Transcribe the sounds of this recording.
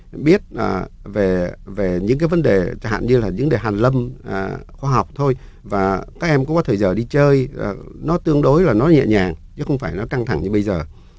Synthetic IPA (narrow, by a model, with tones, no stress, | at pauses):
ɓi˦˥ət̚əː˨˩ve˨˩ve˨˩ɲɨ̰˧˥ŋkaː˨˦jvə˨˦nɗe˨˩t͡ɕaː˧˩ha̰ː˧˨nɲɨ˧laː˨˩ɲɨ̰˧˥ŋɗe˨˩ɦaː˨˩nlə˧mʔə˨˩xwaː˧ɦa˨˩wk͡p̚t̪ʰo˧j | vaː˨˩kaː˦˥k̚ʔɛ˧mkṵ˧˥ŋ͡mkɔ˨˦t̪ʰəː˧˨˩jzəː˨˩ɗi˧t͡ɕəː˧jnɔ˨˦t̪ɨ˧əŋɗo˨˦jlaː˨˩nɔ˨˦ɲɛ̰˧˨ɲaː˨˩ŋt͡ɕɨ̰˨˦˥xə˧wŋ͡mfaː˧˩jnɔ˨˦ka˧ŋt̪ʰa˧˩ŋɲɨ˧ɓə˧jzəː˨˩